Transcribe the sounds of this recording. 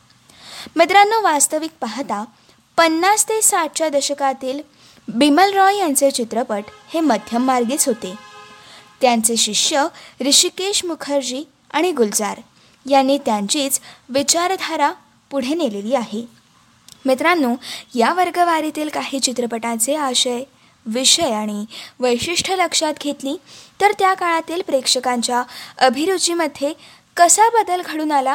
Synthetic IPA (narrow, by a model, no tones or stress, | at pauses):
met̪̬ɾanːuːʋast̪əʋik̚paɦt̪a | pənːast̪esaʈ̚t͡ɕjad̪əɕəkat̪iːl | biməlɾɔjjant͡set͡ɕit̪ɾəpəʈheməd̪ʱjəmːaɾɡiːt͡sɦot̪e | t̪jant͡seɕiʂjəɾiɕikeɕmukʰəɾd͡ʑiː | aɽ̃iɡuld͡zaɾ | janːiːt̪jaɲt͡ɕiːt͡sʋit͡ɕaɾd̪ʱaɾa | puɽ̤eneleliːaɦe | mit̪ɾanːuːjaʋəɾɡəʋaɾit̪iːlkaɦiːt͡ɕit̪ɾəpəʈat͡seaɕəj | ʋiʂəjaɽ̃iʋəjɕiʂʈʰələkʂat̪ɡʱet̪liːt̪əɾt̪jakaɭ̃at̪iːlpɾekʂəkaɲt͡ɕjaəbʱiɾud͡ʑiːməd̪ʱːje | kəsabəd̪əlɡʱəɽuːnala